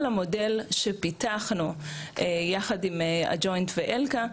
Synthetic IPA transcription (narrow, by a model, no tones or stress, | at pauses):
lamo̞delʃepitaχnuʔejaχadimea̰d͡ʒo̞jntveʔelka